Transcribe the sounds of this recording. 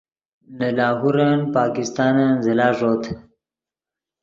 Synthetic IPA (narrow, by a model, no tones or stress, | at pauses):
nalaːɦuɾanpɑːkɪst̪ɑːnanzɪlɑːʐoːt̪